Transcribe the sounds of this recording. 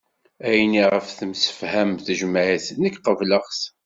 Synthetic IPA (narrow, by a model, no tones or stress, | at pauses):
æjniʁəfθəmsə̥fhæmθəʒmaʕæθnəkqəvləχs